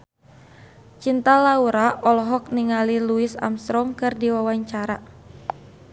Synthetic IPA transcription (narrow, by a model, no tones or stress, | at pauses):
t͡ʃint̪alauɾaʔɔlɔɦɔk̚niŋaliluisa̰mst̪ɾɔmkɨrdiwawaɲt͡ʃaɾa